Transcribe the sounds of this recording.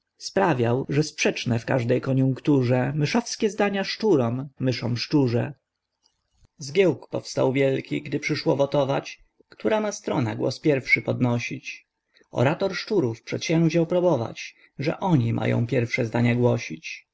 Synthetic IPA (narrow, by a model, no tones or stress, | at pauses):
spɾavʲjawʐɛspʂɛt͡ʂnɛfka̰ʐd̪ɛjkɔɲuŋkt̪uʐɛmɘʂɔfskʲɛzd̪aɲaʂt͡ʂuɾɔmːɘʂɔ̃mʂt͡ʂuʐɛ | zɡʲjɛwkpɔ̰fst̪a̰wvʲjɛlkʲiɡd̪ɘpʂɘʂwɔvɔt̪ɔvat͡ɕ | kt̪uɾamast̪ɾɔnaɡwɔ̰spʲjɛɾfʂɘpɔd̪nɔɕit͡ɕ | ɔ̰ɾat̪ɔɾʂt͡ʂuɾufpʂɛt̪ɕɛ̃ŋd͡ʑawpɾubɔva̰t͡ɕ | ʐɛ̰ʔɔɲimʔa̰jɔ̰̃w̃pʲjɛɾfʂɛzd̪aɲaɡwɔɕit͡ɕ